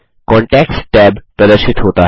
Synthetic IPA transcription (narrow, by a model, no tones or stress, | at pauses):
kɔ̃ːɳʈɛksʈɛbpɾəd̪əɾʃɪt̪ɦoːt̪aɦ